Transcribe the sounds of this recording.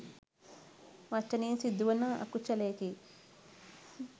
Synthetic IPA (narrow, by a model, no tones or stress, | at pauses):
ʋɐt͡ʃːɐniːnsid̪uʋɐnɐɐ̰kːut͡ʃːɐleːki